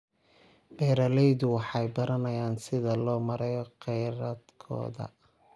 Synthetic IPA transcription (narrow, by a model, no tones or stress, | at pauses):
bɛːɾɐlɛjðʊwɑħɑjbɐɾɐnɐjaːnsɪðɐlɔːmɐɾɛjɔqɛjɾɐd̪kʰɔ̰ːðɐ̰